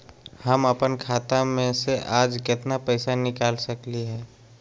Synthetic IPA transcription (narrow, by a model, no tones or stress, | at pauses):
hɐməpənkʰaːt̪amẽseʔaːd͡ʒkɪt̪napɛɪsanɪkaːlsɐkliɦɛː